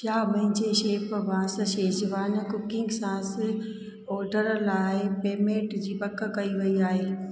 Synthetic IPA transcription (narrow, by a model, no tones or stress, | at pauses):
ʃaːbɐ̃ɦɪ̃ɲd͡ʑeʃeːpʋãːsɪʃeːd͡ʑʋaːnkʊkɪ̃ŋɡsãsɪ | ɔːɾɖəɾlaːɪpeːmẽːʈd͡ʑiːpɐkʰə̆kɐiʋɐiaːɦeː